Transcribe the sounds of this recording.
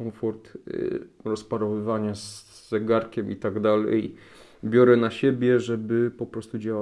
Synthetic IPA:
ɔfɔɾt̪ | ɾɔspaɾɔvɘvaɲazː | ɛɡaɾkʲɛmʔḭt̪aɡd̪alɛ̰j | bʲjɔɾɛnaɕɛbʲjɛʐɛbɘpɔpɾɔst̪ud͡ʑawa

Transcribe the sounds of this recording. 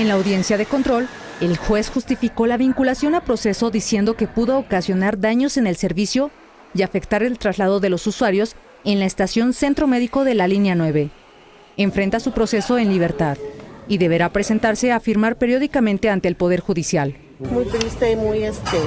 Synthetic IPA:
enlaːwðje̞nsjaðe̞ko̞nt̪ɾo̞l | elxwe̞sxust̪ifiko̞laβiŋkulasjo̞nalpɾo̞se̞so̞ðisje̞nd̪o̞ke̞puðookasjo̞naɾðaɲo̞se̞nelse̞ɾβisjo̞ | iafe̞kt̪aɾe̞lt̪ɾazlaðo̞ðe̞lo̞suswaɾjo̞s | e̞nlaest̪asjo̞nse̞nt̪ɾo̞me̞ðiko̞ðe̞lalinjanwe̞βe̞ː | ɱfɾe̞nt̪asupɾo̞se̞so̞enliβ̞e̞ɾt̪aðiðe̞βe̞ɾapɾe̞se̞nt̪aɾse̞afiɾmaɾpe̞ɾjo̞ðikamẽnt̪e̞ant̪e̞ːlpo̞ð̞e̞ɾxuðisjal | mujt̪ɾist̪eimujest̪e

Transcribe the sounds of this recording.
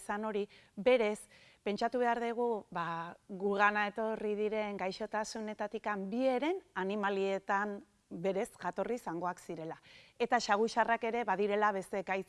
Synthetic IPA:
sano̞ɾibe̞ɾe̞s | pe̞nt͡ʃat̪uβe̞aɾðiɣ̞uβaɣuɣanae̞t̪o̞riðiɾe̞ŋɡajʃo̞t̪asune̞t̪at̪ikambie̞ɾe̞nanimalie̞t̪am | be̞ɾe̞sʝat̪o̞risaŋɡo̞aksiɾe̞lae̞t̪aʃaɣ̞uʃarake̞ɾe̞βaðiɾe̞laβe̞st̪e̞kajt͡s

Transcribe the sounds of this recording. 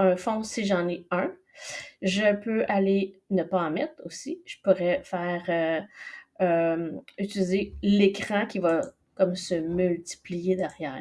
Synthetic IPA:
ɛ̃fɔ̃siʒɑ̃nɛœ̃ | ʒəpøalenəpaɑ̃mɛt̪χosiʒ̥əpuʁɛfɛːʁø | ømyt̪ilizelekχɑ̃kʲiva | kɔmsəmylt̪i̥plijed̪ɛʁjæːʁ

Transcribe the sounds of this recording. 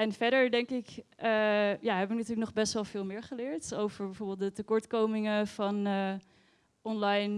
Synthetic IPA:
ɛnfɛɹdəɹdɛŋkɪkəjaːɦɛbəənatyɹlək̚nɔχbɛstʋɛlˠvɪːlˠmɪːɹχəlɪːɹtowvəɹbɛvoɹbɪːlˠt̚dətəkɔɹtkowmɪŋəfɑnə | ɔnlɑjn

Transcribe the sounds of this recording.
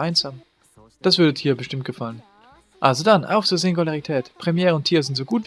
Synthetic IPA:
aɪnzaːm | d̥asv̥ʏɐdətʰiːɐbəʃtɪmt̚ɡ̥əfalən | ʔalzodanʔa̰ʊfz̥ozɪŋɡulaʁitʰɛːtpʁ̥ɛmjɛːʁəʊntʰiːʁəzɪntz̥oːɡuːtv

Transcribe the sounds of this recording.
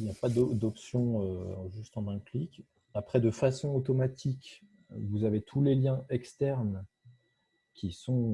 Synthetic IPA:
iljapad̪d̪ɔpsjɔ̃øʒyst̪ɑ̃mɛ̃klik | apχɛd̪əfasɔ̃ot̪ɔmat̪ʰik | vuzavet̪ʰuleljɛ̃ɛkst̪ɛʁn | kʲʰisɔ̃

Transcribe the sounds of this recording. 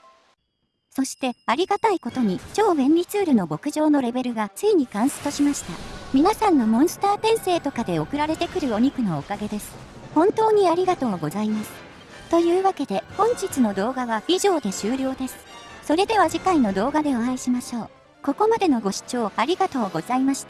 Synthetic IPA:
so̞ɕi̥t̪e̞aɾʲiɡat̪aiko̞t̪o̞ɲ̟it͡ɕo̞ːbẽ̞nʲɾʲit͡sɨːɾɯ̟no̞bo̞kɯ̟ʑo̞ːno̞ɾe̞be̞ɾɯ̟ɡat͡sɨiɲ̟ikãɰ̃sɨ̥t̪o̞ɕimaɕi̥t̪amʲinasãnːo̞mõ̞ɰ̃sɨ̥t̪aːpẽ̞ɰ̃se̞ːt̪o̞kad̪e̞o̞kɯ̟ɾaɾe̞t̪e̞kɯ̟ɾɯ̟o̞ɲ̟ikɯ̟no̞ːkaɡe̞d̪e̞sɨ̥ | hõ̞nt̪o̞ːɲ̟iaɾʲiɡat̪o̞ːɡo̞zaimasɨ̥ | t̪o̞jɯ̟ːβake̞d̪e̞hõ̞ɲ̟d͡ʑit͡sɨno̞d̪o̞ːɡaβaiʑo̞ːd̪e̞ɕɨːɾʲo̞ːd̪e̞sɨ̥ | so̞ɾe̞d̪e̞β̞aʑikaino̞d̪o̞ːɡad̪e̞o̞aiɕimaɕo̞ː | ko̞ko̞mad̪e̞no̞ɡo̞ɕi̥t͡ɕo̞ːaɾʲiɡat̪o̞ːɡo̞z̥aimaɕi̥t̪a

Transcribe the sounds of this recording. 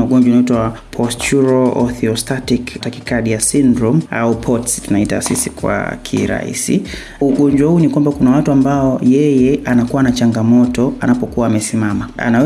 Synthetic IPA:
auɠɔɲd͡ʒanaitwapʰɔstuɾɔɔθiɔstatiktakikaɗijasindɾɔma̰upʰɔtstunaita̰sisikwa̰kʰḭɾa̰ḭsḭ | uɠɔɲd͡ʒwahuːnikwambakunawatuambaɔjɛjɛanakuwanat͡ʃaŋɡamɔtɔa̰napɔkuwaːmɛsimamaa̰naɛ

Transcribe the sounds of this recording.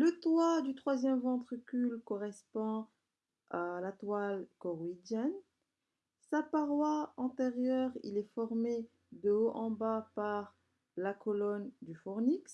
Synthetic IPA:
lət̪wad̪yt̪χwazjɛmvɑ̃t̪χəkʲylkɔʁɛspɑ̃ | alat̪walkɔʁwid̪jɛn | sapaʁwaɑ̃t̪ɛʁjœʁḭlɛfɔʁme | d̪əoʔɑ̃bapaʁ | lakɔlɔnd̪yfɔʁniks

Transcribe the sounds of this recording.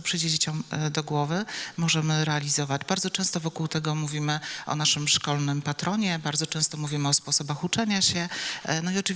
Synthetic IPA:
ɔpʂɘjd͡ʑed͡ʑet͡ɕɔ̃md̪ɔɡwɔvɘmɔʐɛmɘɾɛalʲizɔvad͡ʑbaɾd̪zɔt͡ʂɛ̃w̃st̪ɔvɔkuwt̪ɛɡɔmuvʲimɘʔɔ̰naʂɘmʂkɔlnɘmpat̪ɾɔɲɛbaɾd̪zɔt͡ʂɛ̃w̃st̪ɔmuvʲimɘɔspɔsɔbaxut͡ʂɛɲaɕɛnɔiɔt͡ʂɨv

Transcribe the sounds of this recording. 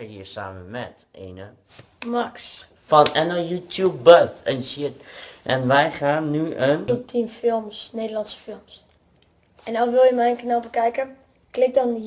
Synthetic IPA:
əɦiːəɹsa̰ːməmɛ̰t | ʔḛːnə | mɑks | fɑnɛnəjuːtʰjub̚bəθɛnsɪtʔɛnʋɛjχaːnːyʔəntɔptʰinfɪlˠmsnejdəlɑnsə̥fɪlˠms | ɛnɔwʋɪlˠjəmɛjənkənalˠbəkɛjkə | klɪk̚dɑn

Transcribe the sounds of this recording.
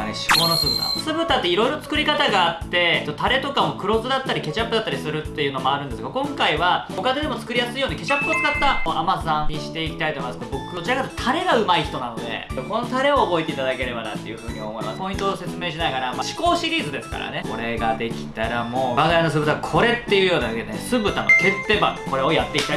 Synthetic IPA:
neɕi̥ko̞ːnosɨbɯ̟t̪a̰sɨbɯ̟t̪at̪ːe̞iɾo̞jiɾoot͡sɨ̥kɯ̟ɾʲikat̪aɡaːt̪ːe̞t̪ːot̪aɾe̞t̪o̞kamo̞kɯ̟ɾo̞zɨd̪at̪ːaɾʲike̞t͡ɕapːɯ̟d̪at̪ːaɾʲisɨɾɯ̟t̪ːe̞jɯ̟ːno̞mo̞aɾɯ̟̃nd̪esɨɡakõ̞ŋkaiβaokad̪e̞d̪e̞mo̞t͡sɨ̥kɯ̟ɾijasɨijoːnike̞t͡ɕapːɯot͡sɨd̪at̪ːaamasãɲiɕi̥t̪e̞ikʲi̥t̪ait̪ojimasd̪bo̞kɯd̪ot͡ɕiɾakat̪ːt̪ʰaɾe̞ɡaɯ̟maiçi̥t̪o̞nano̞d̪e̞̰ko̞no̞t̪aɾe̞o̞ːbo̞it̪e̞it̪ad̪ake̞ɾe̞bad̪a̰t̪ːe̞jɯ̟ɸɯ̟ːɲ̟iaomo̞ḭma̰spo̞ĩnt̪ose̞t͡sɨme̞ːɕ̬inaɡaɾamaɕi̥ko̞ːɕiɾʲiːzɨd̪e̞sɨ̥ka̰ɾa̰ne̞ko̞ɾe̞ɡad̪e̞kʲi̥t̪aɾamo̞baŋɡaɾanos̬ɨbɯ̟t̪akʰo̞ɾe̞t̪ːe̞jɯ̟jo̞ːnad̪aked̪ensɨbɯ̟t̪ano̰ke̞t̪ːe̞ba̰ko̞ɾe̞o̞jat̪ːe̞ikʲi̥a

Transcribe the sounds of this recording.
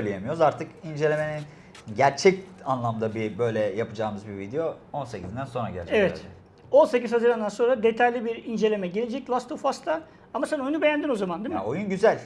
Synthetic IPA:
øjlʲejemyjo̞ɾuzaɾt̪ʰɯkind͡ʒelʲe̞me̞nin | ɟæɾt͡ʃʰɛcanlˠamd̪abibø̞jlʲɛjapɯd͡ʒaːmɯzbivid̪ejo̞ | o̞nse̞cʰiznd̪ænso̞nɾa̰ɟæ̰ɾt͡ʃeɛvɛt̪ | o̞nse̞cizhazɯɾamnd̪anso̞nɾad̪e̞t̪ʰajlʲibiɾind͡ʒe̞lʲe̞mɛɟelʲe̞d͡ʒɛc̚lˠast̪ʰofast̪ʰa | amasæno̞jynube̞jænd̪ino̞zamand̪imojynɟyzælʲ

